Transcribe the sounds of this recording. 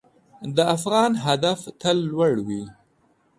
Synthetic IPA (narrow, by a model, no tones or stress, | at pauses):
d̪əafɣɑnɦad̪aft̪əlːwaɽwi